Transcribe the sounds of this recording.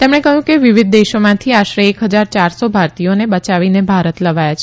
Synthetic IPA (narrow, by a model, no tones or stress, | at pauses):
t̪emɽ̃ekəɦjũkeʋiʋid̪̚d̪eʃomãt̪ʰiaʃɾeːkɦəd͡ʒaɾt͡ʃaɾsobʱaɾt̪ijonebət͡ʃaʋinebʱaɾət̪ləʋajat͡ʃʰe